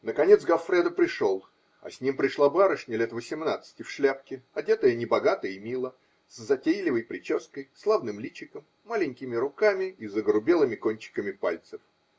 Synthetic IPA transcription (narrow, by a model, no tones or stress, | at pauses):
nəkɐnʲet̪sɡɐfɾʲɛd̪əpɾʲɪʂo̞lˠ | ɐ̰sʲnʲimpɾʲɪʂlˠabaɾəʂnʲɪlʲet̪vəsʲɪmnat̪sɨ̥tʲɪfʂlʲæpkʲɪɐdʲet̪əjənʲɪbɐɡat̪əjimʲilˠə | szɐtʲejlʲɪvəjpɾʲɪt͡ɕo̞skəjslˠavnɨmlʲit͡ɕɪkəmːalʲɪnʲkʲɪmʲɪɾʊkamʲɪizəɡəɾʊbʲe̞lˠɨmʲɪkonʲt͡ɕɪ̥kəmʲɪpalʲt̪sɨf